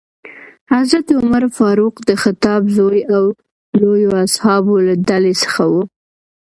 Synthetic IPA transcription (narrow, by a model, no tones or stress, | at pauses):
hazɾat̪ʊmaɾfɑɾuqd̪əxɪt̪ɑbzojaw | lojoashɑbolad̪alesə̥xawu